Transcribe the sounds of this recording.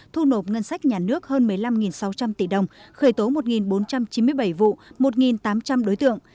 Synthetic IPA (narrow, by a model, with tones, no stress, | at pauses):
t̪ʰu˧no˨˩ŋə˧nsa˦˥jk̟̚ɲaː˨˩nɨ˦˥ək̚həː˧nmɨ˨˩əjla˧mŋi˨˩nsa˨˦wt͡ɕa˧mt̪i˧˩ɗə˨˩wŋ͡mxəː˧˩jt̪o˨˦mo˨˩t̚ŋi˨˩nɓo˨˦nt͡ɕa˧mt͡ɕi˨˦nmɨ˧əjɓa˧˩jvṵ˧˨mo˨˩t̚ŋi˨˩nt̪aː˨˦mt͡ɕa˧mɗo˨˦jt̪ɨ̰˧˨əŋ